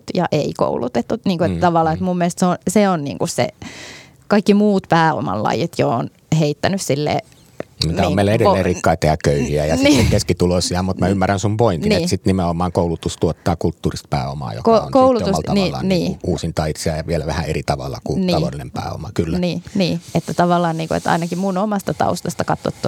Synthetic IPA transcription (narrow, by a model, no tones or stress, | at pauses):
t̪jɑʔeiko̰ulut̪et̪ːuniːŋkuet̪t̪ɑʋɑlːɑet̪mumːielst̪seonseonnḭːŋkussḛ | kɑikːimuːt̪pæːo̰mɑ̰llɑ̰jit̪joon | heit̪ːænyssilːḛː | mit̪æniomːmeilæedelːeːrikːɑit̪ehækkøyhiæjɑsnieŋkeskit̪uloisiɑmut̪mæymːærænsumpoininieːsit̪nimeomɑːŋkoulut̪ust̪uɔt̪ːɑːkult̪ːuːrist̪̚pæ̰ːomɑ̰ːjo̰koo̰nkoulutousɑlɑniːlːɑ̰niːuuːsint̪ɑit̪seɑjɑʋielæʋæhæeɾit̪ɑʋɑ̰lːɑ̰kuniɑʋolːinempæ̰ːo̰mɑkylːæniːniːet̪ːæt̪ɑʋɑlːˑɑːnniːŋkuḛt̪ɑ̰inɑkimunomɑst̪ɑt̪ɑ̰ust̪ɑst̪ɑkɑt̪ːo̰t̪ːu